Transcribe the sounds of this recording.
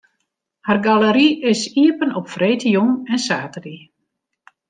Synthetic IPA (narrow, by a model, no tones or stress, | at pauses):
harɡaləɾiɪsiəpənɔpfreːtəjɔŋɛnsaːtədi